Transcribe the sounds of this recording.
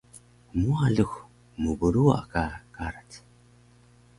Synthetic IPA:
muaɮuxʷ | mubuɾuwa̰kakaɾat

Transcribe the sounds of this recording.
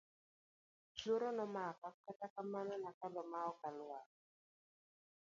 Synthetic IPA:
t͡ʃoɾɔnɔmakakatakamanɔnakalɔmaɔkalwa

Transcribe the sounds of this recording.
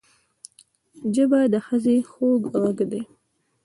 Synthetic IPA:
d͡ʒəbad̪əxəzexoɡɣaɡd̪e

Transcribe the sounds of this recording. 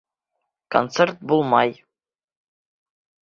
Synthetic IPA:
ko̰nt̪sert̪̚bulˠmɑj

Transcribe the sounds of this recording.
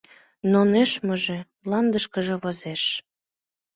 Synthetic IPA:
noneʃməʒe | lɑnd̪əʃkəʒĕβozeʃ

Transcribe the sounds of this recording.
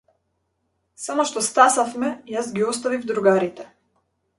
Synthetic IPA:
samoʃt̪ɔst̪asafmɛjasɡiɔst̪avivd̪ɾuɡaɾit̪ɛ

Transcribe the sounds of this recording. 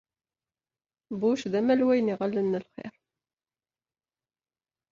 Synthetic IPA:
buʃðæmælwæjniʁəlːənːəlχɪ̰ɾ

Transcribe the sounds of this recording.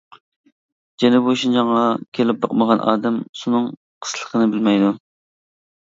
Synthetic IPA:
d͡ʒɛnɪbuʃind͡ʒɑŋʁɑkʲʰelɪp̚bɑqməʁɑnʔɑ̰ːd̪ɛmsunɨŋ | qʰə̥slˠə̥qʰənɨbɪlmɛjd̪u

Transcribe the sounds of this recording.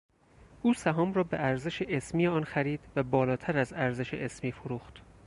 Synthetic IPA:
ʔuːsæɦɒːmɾɒːbeʔæɾze̞ʃeʔesmiːjeɒːnxæɾiːd̪̥væbɒːlɒːt̪ʰæɾæzæɾzeʃeʔesmiːfoɾuːxt̪

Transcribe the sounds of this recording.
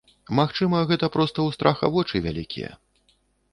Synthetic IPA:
maxt͡ʂɨmɐɣɛt̪ɐpɾɔst̪ɐwst̪ɾʔaxɐ̰vɔt͡ʂɨvʲalʲikʲʰḭjɛ̰

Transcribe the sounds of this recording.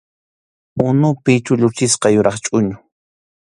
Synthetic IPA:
ʊnʊpɪt͡ʃʊʎʊt͡ʃɪsqɑjʊɾʔɑχt͡ʃʼʊɲʊ

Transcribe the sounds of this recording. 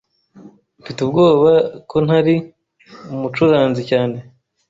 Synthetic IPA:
fitub̚ɡo̞ːβakʰo̞naɾi | umut͡ʃuɾaːnzicaːne̞

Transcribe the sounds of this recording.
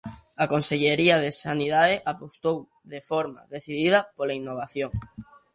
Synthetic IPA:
akonseʎeɾiaðesaniðaðeʔapost̪ow | ðefoɾma̰ðeθiðið̞ɐpolainːoβ̞aθjoŋ

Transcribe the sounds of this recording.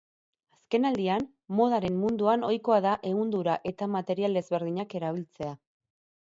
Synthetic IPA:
aske̞nald̪ian | mo̞ð̞aɾe̞mmund̪uano̞jko̞aðaʔe̞ɣund̪uɾaʔe̞t̪amat̪e̞ɾiale̞zβe̞ɾðiɲake̞ɾaβ̞ilt͡se̞a

